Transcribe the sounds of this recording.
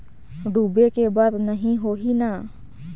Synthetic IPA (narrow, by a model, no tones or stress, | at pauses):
ɖʱuːbekebaːd̪nəɦĩɦoɦina